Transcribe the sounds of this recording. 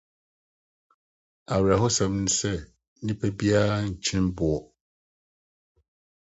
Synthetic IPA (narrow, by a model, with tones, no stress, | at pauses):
a˨ɾi˨a˨ɦʊ˦sɛ̃˨mnũ˦sɛ˦ | nĩ˦pʰɛ˦bi˦a˦ɲ̩˨t͡ɕʰɪ̃˦nbʊ˨ɔ˦